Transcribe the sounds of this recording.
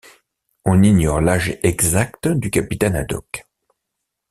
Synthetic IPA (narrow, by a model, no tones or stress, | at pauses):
ɔ̃niɲɔʁlaʒeʔɛɡzakt̪d̪ykapit̪ɛna̰d̪ɔ̰k